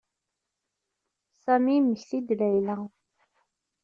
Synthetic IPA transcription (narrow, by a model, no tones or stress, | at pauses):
sæmiməçθid̪læjlæ